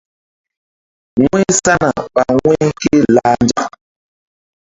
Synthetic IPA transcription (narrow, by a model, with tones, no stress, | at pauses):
ŋe˦sa˦na˨ɓa˨wwɛ̃˦ke˦la˦nd͡ʒa˨